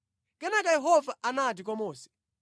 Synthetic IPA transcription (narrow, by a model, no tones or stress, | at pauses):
kɛnakajɛɦɔvaʔanat̬ik̬wamɔːsɛ̥